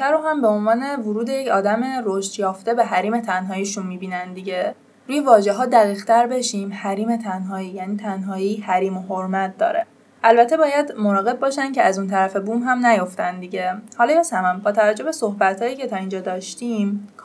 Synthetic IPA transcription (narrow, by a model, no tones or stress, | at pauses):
t̪ʰæɾoɦæmbe̞o̞nvɒːne̞vuɾuːd̪ejecʰɒːd̪æme̞ɾoʃt̪jɒːft̪e̞beɦæɾiːme̞t̪ʰænɦɒːjiʃunmiːbiːnænd̪iɟe̞ | ɾuːje̞vɒːʒe̞ɦɒːd̪æɣiːɣ̥t̪ʰæɾbe̞ʃiːmhæɾiːme̞t̪ʰænɦɒːiːjæːniːt̪ʰænɦɒːiːhæɾiːmoɦoɾmæt̪̚d̪ɒ̰ːɾḛ | ʔælbæt̪ʰːe̞bɒːjæd̪monɒːɣe̞b̚bɒːʃænceæzunt̪ʰæɾæfe̞buːmɦæmnæjo̞ft̪ænd̪iɟe̞hɒːlɒjesæmæmbɒːt̪ʰævæd͡ʒːo̞be̞so̞hbæt̪hɒːjiːcʰe̞t̪ʰɒːind͡ʒɒːd̪ɒːʃt̪iːmkʰ